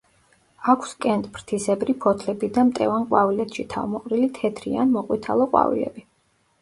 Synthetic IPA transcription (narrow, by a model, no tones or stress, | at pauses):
akʷʰskʼɛnt̪ʼpʰɾt̪ʰisɛbɾipʰɔt̪ʰlɛbid̪amt̪ʼɛ̰vanqʼwavilɛt̪ʰʃit̪ʰa̰vmɔqʼɾilit̪ʰɛt̪ʰɾia̰nmɔqʼwit̪ʰalˠɔqʼwa̰vḭlɛ̰bi